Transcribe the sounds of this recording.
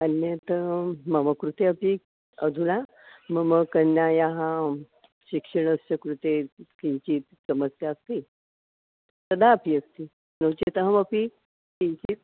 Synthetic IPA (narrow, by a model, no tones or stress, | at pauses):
ənjət̪əməməkɾut̪eəpi | ə̰d̪ʱuna | məməkənːjajaɦa | ɕikʂəɳəsɕəkɾut̪ekiɲt͡ɕiːt̪səməsjaːst̪i | t̪əd̪ʱaəpiːəst̪i | nəwt͡ɕet̪əɦəməpi | kĩɲt͡ɕiːt̪̚